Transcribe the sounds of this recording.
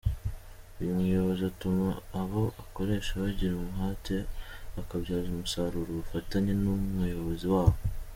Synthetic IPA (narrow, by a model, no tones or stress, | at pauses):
ujumŋujo̞βo̞ziatumaːβo̞ʔako̞ɾe̞ːʃaβaɟiɾumuɦaːte̞βakabɟaːzumusaɾuɾuβufataɲenumujo̞βo̞ziwaːβo